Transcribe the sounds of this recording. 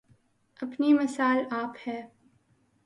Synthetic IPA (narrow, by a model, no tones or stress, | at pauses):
ɐpnimɐsaːlaːphɛː